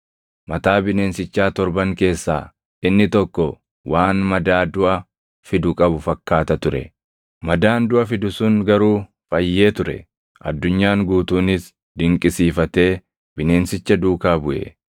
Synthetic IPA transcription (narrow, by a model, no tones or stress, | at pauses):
mɐt̪aːbɪne̞ːnsɪt͡ʃːaːt̪ɔɾbɐŋke̞ːsːa̰ː | ɪnːɪt̪ɔkːɔ | waːnmɐd̪aːd̪ʊʔɐ | fɪd̪ʊkʼɐbʊfɐkːaːt̪ɐt̪ʊɾɛ̰ | mɐd̪aːnd̪ʊʔɐfɪd̪ʊsʊŋɡɐɾuː | fɐjːe̞ːt̪ʊɾɛ̰ | ʔɐ̰d̪ːʊɲːaːŋɡuːt̪uːnɪs | d̪ɪŋkʼɪsiːfɐt̪e̞ː | bɪne̞ːnsɪt͡ʃːɐd̪uːkaːbʊʔḛ